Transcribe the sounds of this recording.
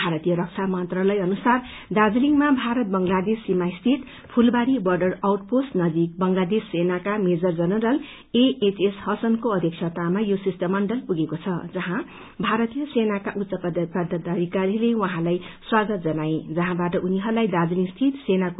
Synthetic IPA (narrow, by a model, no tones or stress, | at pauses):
bʱaɾʌt̪ijʌɾʌk̚t͡sʰamʌnt̪ralʌjʌnusar | d̪ad͡zliŋmabʱaɾʌt̪̚bʌŋlad̪esːimaist̪ʰit̪ | pʰulbaɾibʌrɖʌrawʈposnʌd͡z̪ik̚bʌŋlad̪esːenakamed͡zʌrd͡zʌnʌɾʌl | eet͡seshʌsʌnkoʌd̪ʱjekt͡ʃʰjʌt̪amajosisʈʌmːʌɳɖʌlpuɡekot͡sʰʌd͡zʌɦã | bʱaɾʌt̪ijʌsenakaʔut̪sʌp̪pʌd̪ʱʌt̪ːaɾikaɾilewʌɦãlajswaɡʌt̪̚d͡zʌnaed͡zʌɦãbaʈʌʔuniɦʌrlajd̪ad͡zliŋst̪ʰit̪senak